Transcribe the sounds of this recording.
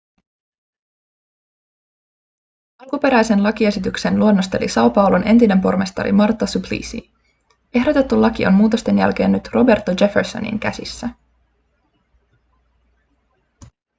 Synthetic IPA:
ɑlkupe̞ɾæjse̞nlɑkie̞sit̪ykse̞nluo̞nːost̪e̞̰lḭsɑopɑulonʔe̞nt̪ine̞mpo̞rmest̪ɑ̰ɾḭmɑrt̪ːɑsuplḭːsḭ | e̞ɦdo̞t̪e̞t̪ːulɑk̟io̞̰mmuːt̪o̞st̪e̞njæ̰lk̟e̞ːnːyt̪ro̞be̞rt̪ːod͡ʒe̞ferso̰nḭŋkæ̰sḭsːæ

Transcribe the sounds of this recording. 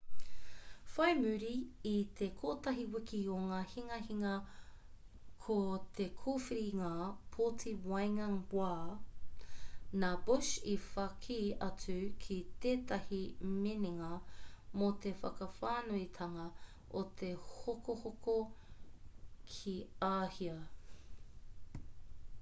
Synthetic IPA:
fɐjmʉɾiːt̪ekʰoːtɐɦiwikioŋaːhiŋɐhiŋɐ | kʰot̪ʰekʰuːfiɾiŋaːpʰotʰiwajŋɐŋbwaː | naːbuʃifɐkʰiɐt͡sʉkʰit̪eːtɐhimeniŋɐmot̪efɐkɐfaːnuit̪ʰɐŋɐ | ʔot̪ʰehokohoko | kʰiaːhiɐ

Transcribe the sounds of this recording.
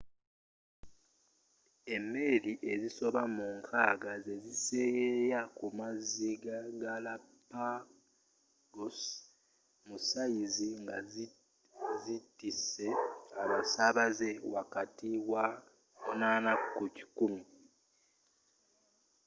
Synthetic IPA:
e̞meliʔe̞ziso̞βamuŋkʰaɡaze̞zise̞jejakumaziɡaɡalapa | ɡos | musajiziŋɡa | zitise̞aβasaβaze̞wakatiwa | naːnakuci̥kumi

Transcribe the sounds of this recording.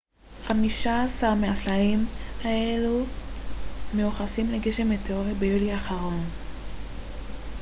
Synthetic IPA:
χamiʃaːsaʁmeaslalimae̞lu | meuχasimle̞ɡeʃe̞meteoʁibejuliaχaʁo̞n

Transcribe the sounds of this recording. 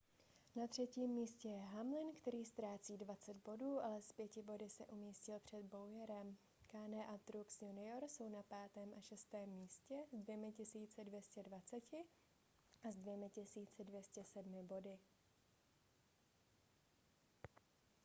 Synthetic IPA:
nat̪r̝̥ɛciːmːiːscɛjɛɦamlɪnkt̪ɛɾiːst̪ɾaːt͡siːdvat͡sɛd̪̚bo̞duːʔalɛspjɛcɪbo̞dɪsɛ̰ʔumiːscɪlpr̝̥ɛd̪̚bo̞wjɛɾɛm | kaːnɛʔat̪ɾuksjunɪjoɾso̞wnapaːt̪ɛːmʔaʃɛst̪ɛːmːiːscɛzdvjɛmɪcɪsiːt͡sɛdvjɛscɛdvat͡sɛcɪ | ʔazdvjɛmɪcɪsiːt͡sɪdvjɛscɛsɛdmɪbo̞dɪ

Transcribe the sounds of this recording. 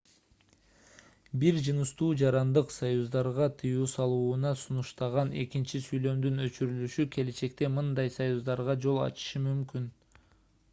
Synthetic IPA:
biɾd͡ʒɯnɯʃt̪uːd͡ʒɑɾɑnd̪ɯqsajuzd̪ɑɾʁɑt̪ʰɯjuːsɑlˠuːnɑsunuʃt̪ɑʁɑne̞kint͡ʃisyjlø̞md̪ynø̞t͡ʃyɾylyʃykʲʰe̞le̞t͡ʃe̞kt̪e̞mɯnd̪ɑjsajuzd̪ɑɾʁɑd͡ʒo̞lˠɑ̰t͡ʃɯ̥ʃɯmymkyn

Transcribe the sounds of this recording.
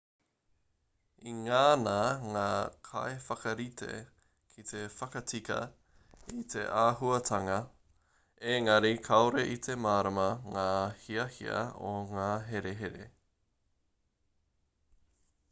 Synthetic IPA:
iŋaːnaŋaːkʰa̰efɐkɐɾit̪ʰḛ | kʰit̪ʰefɐkɐt͡sikɐ̰ | it̪ʰḛʔaːɦuɐtʰɐŋɐ | eŋɐɾikʰɐoɾeʔit̪ʰemaːɾɐmɐŋaːhiɐhḭɐ̰oŋaːɦeɾeɦeɾḛ

